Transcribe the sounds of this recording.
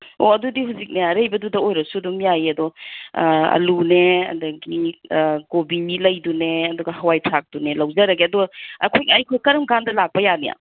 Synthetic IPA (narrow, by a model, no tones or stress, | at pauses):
o̰ɐdudihuwzik̚nejaɾejbɐdudɐojɾɐsudumjajiɐdɔ | ɐ̰luneɐ̰dɐɡi | ɡobimilɐjduneɐduɡɐhɐwajtʰak̚d̥unelɐwzɐɾɐɡiɐduɡɐɐ̰kʰojɐjkʰojkɐɾɐmɡandɐlak̚pɐjanija̰